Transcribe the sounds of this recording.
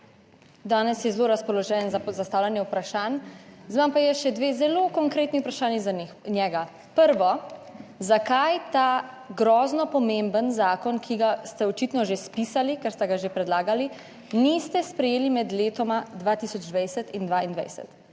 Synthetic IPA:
d̪aːnɛsjɛzloɾaspɔlɔʒɛnzazast̪aːwlʲanjɛwpɾaʃaːnzʋampajɛʃɛd̪ʋeːzɛlokɔŋkɾeːt̪nixwpɾaʃaːnizanixnjɛːɡa | pəɾʋɔ | zakajt̪aː | ɡɾɔːznɔpɔmẽmbənzaːkɔnkʰiɡast̪ɛɔt͡ʃit̪nɔʒespisalikɛɾst̪ɛɡaʒepɾɛd̪laːɡali | nist̪ɛspɾɛjeːlimɛd̪leːt̪ɔmad̪ʋat̪iːsɔd͡ʒd̪ʋajsɛt̪ind̪ʋaind̪ʋa̰jsɛ̰t̪

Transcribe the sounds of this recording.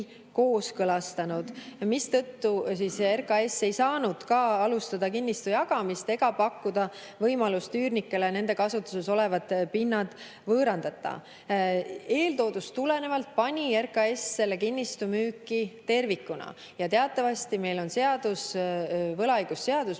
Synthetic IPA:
ko̞ːskɤlɑst̪ɑnud̪̥mist̪ɤ̞t̪ːusiserkɑe̞sːe̞jsɑːnud̪̥kɑɑlust̪ɑd̪̥ɑkinʲːist̪ujɑɡ̥ɑmist̪e̞ɡ̥ɑpɑkːud̪̥ɑ | vɤjmɑlust̪yːrnikːˑe̞lene̞nd̪e̞kɑsut̪ːˑuse̞so̞le̞vɑd̪pinːɑd̪̥ | vɤːɾɑnd̪̥ɑt̪ːˑɑ̰ | e̞ːlt̪o̞ːd̪̥ust̪ule̞ne̞vɑlt̪̚pɑnʲie̞rkˑɑe̞sːe̞lːekinʲːist̪umyːkːˑit̪e̞rvikːˑunɑ̰ | jɑt̪e̞ɑt̪ːˑɑvɑst̪ime̞jlo̞nse̞ɑd̪usvɤlɑjɡ̥usːe̞ɑd̪̥us

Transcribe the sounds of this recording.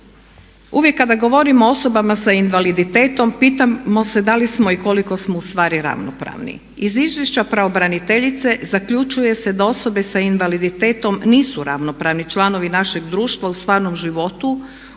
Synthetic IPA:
uʋje̞kːad̪aɡo̞ʋo̞ɾimoo̞so̞bamasainʋalid̪it̪eːt̪o̞mpiːt̪amo̞se̞d̪alismo̞iko̞liko̞smoust̪ʋaːɾiɾa̰ʋnopɾa̰ʋnḭ | izizʋje̞ʃt͡ɕapɾaobɾanit̪e̞ʎit̪se̞zakʎut͡ʃuje̞se̞d̪ao̞so̞be̞sainʋalid̪it̪eːt̪o̞mniːsuɾaʋno̞pɾaʋnit͡ʃlˠano̞ʋinaʃe̞ɡd̪ɾuːʃt̪ʋaust̪ʋaːɾno̞mʒiʋo̞t̪u

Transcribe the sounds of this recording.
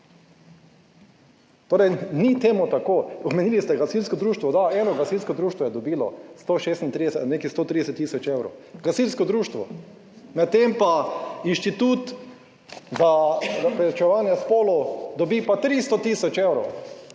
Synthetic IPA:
t̪oːɾɛjnit̪eːmut̪akoːɔbmɛniːlist̪ɛɡasilskɔd̪ɾuːʃt̪ʋɔd̪aɛːnɔɡasilskɔd̪ɾuːʃt̪ʋɔjɛd̪ɔbiːlɔ̰st̪oʃeːst̪nt̪ɾid̪ɛsɛneːkist̪oːt̪ɾid̪ɛsɛt̪ːisɔt͡ʃeːwɾo̰wɡasilskɔd̪ɾuːʃt̪ʋɔ | nat̪ːempainʃt̪it̪uːt̪ | zaɾapɾɛt͡ʃɛʋaːnjɛspoːlɔd̪ɔbipat̪ɾist̪ot̪isɔt͡ʃewɾow

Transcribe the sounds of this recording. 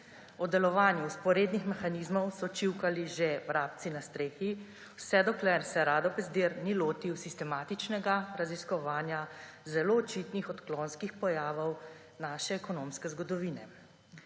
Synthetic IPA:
ɔd̪ɛlɔʋaːnjuspɔɾeːd̪nixmɛxanizmɔwsɔt͡ʃiwkaliʒevɾaːp̚t̪sinast̪ɾeːxi | wsɛd̪ɔklɛɾsɛɾaːd̪ɔpɛzd̪eɾniloːt̪iwsist̪ɛmaːt̪it͡ʃnɛɡaɾaziskɔʋaːnjazɛloːt͡ʃit̪nixɔt̪klonskixpɔjaːʋɔw | naːʃɛːkɔnomskɛzɡɔd̪ɔʋiːnɛ

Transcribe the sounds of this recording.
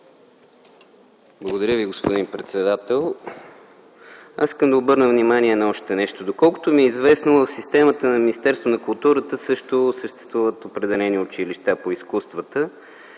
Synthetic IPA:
blˠəɡod̪əɾʲəviɡospod̪inpɾɛt̪sɛd̪at̪ɛlˠ | asiskəmd̪ɐobɤɾnəvnimaniɛnɐɔʃt̪ɛnɛʃt̪od̪okɔlˠkʊ̥t̪omiɛizvɛsnovəfsist̪ɛmət̪ənɐminist̪ɛɾst̪vonɐkʊlˠt̪uɾət̪əsɤʃt̪osəʃt̪ɛ̥st̪vuvət̪opɾɛd̪ɛlɛniʊt͡ʃiliʃt̪apoiskust̪vət̪ə

